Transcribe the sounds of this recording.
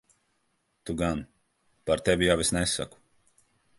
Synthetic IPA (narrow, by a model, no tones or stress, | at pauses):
t̪uɡan | paɾt̪evʲijawesnɛsːa̰ku̥